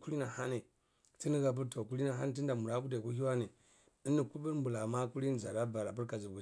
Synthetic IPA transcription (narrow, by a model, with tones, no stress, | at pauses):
ku˦li˦na˨ha˦ni˨ | ti˦ni˦ɡa˨p̬u˦ɾto˨ku˦li˦na˨ɦa˦n˦˨t̬i˦n˦da˨mu˨ɾa˨˦ku˦de˨ku˦hi˦wa˦ni˨ | i˦nːi˨ku˦bi˦ɾmbu˨la˨ma˦ku˦li˦n˨za̰˨ɾa˦ba˨ɾa˨p̬i˦ɾka˨zu˨bu˨